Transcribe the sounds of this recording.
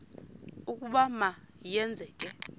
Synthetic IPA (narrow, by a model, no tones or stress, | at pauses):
ukʼuɓama | jɛnd͡zʱɛːk̬ʼɛ